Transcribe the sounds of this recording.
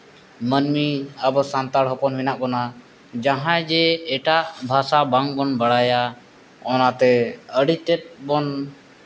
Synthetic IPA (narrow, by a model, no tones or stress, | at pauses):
mənmiəbɔsant̪aɽɦɔpɔnminaʔkɔna | d͡ʒaɦãjd͡ʒɛɛʈaʔbʱasabaŋbɔnbaɽaja | ɔnat̪ɛəɽit̪ɛt̪̚ˀbɔn